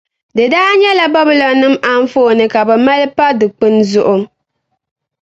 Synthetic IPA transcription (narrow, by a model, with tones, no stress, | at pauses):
dɨ˨daː˦ɲɛ˦la˦ba˦bɪ˦lɔ˨nɨ˦mʔa˨ɱ˦fo˦˨nɨ˨ka˨bɛ˨ma˦lɨ˦pa˦dɨ˨k͡pɨ˦nzʊ˦ʔʊ˦m